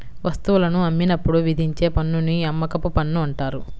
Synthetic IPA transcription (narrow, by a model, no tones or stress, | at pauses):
ʋʔɐst̪uʋulɐnuɐmːinɐpːuɽuʋid̪ʱiɲt͡ʃe̞ːpɐnːuniɐmːɐkɐpupɐnːuɐɳʈaːɾu